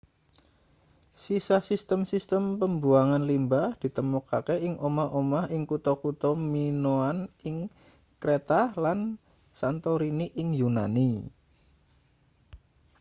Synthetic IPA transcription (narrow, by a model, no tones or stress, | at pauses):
sisahsist̪əmsist̪əmpəmbuaŋanlimbahd̥i̤t̪əmɔkakeɪŋʔomaʔomahɪŋkut̪ɔkut̪ɔminoanɪŋ | kɾet̪alan | sant̪oɾiniʔɪŋjuna̰ni